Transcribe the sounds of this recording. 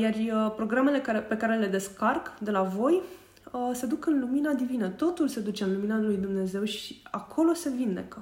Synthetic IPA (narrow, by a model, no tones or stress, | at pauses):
jarəpɾo̞ɡɾame̞le̞kaepe̞kaɾe̞le̞d̪e̞skarkd̪e̞lavo̞j | əse̞d̪ukɨnluminad̪ivinət̪o̞t̪ulse̞d̪ut͡ʃe̞ɨnluminalujd̪umne̞ze̞wʃiakʰo̞lo̞se̞vind̪e̞̰kə